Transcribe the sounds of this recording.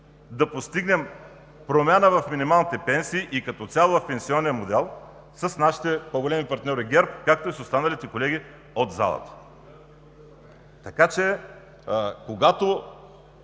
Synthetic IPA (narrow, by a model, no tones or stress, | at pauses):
d̪ɐpost̪iɡnɛm | pɾomʲjanəvɐfminimalˠnit̪ɛpɛnsiːʔikɐt̪ɔt̪sʲalˠɐfpɛnsiɔnːiəmod̪ɛlˠ | səsnaʃi̥t̪ɛpoɡolɛmipɐɾt̪nʲɔɾiɡɛɾpkak̚t̪oisost̪anɐlit̪ɛkolɛɡʲi | od̪za̰lˠə̰t̪ə̥ | t̪ɐkat͡ʃɛ | koɡat̪o